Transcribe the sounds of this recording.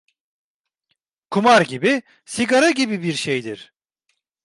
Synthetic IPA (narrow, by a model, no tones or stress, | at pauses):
kʰumaɾɟibi | siɡaɾaɟibibiɾʃejd̪iɾ̥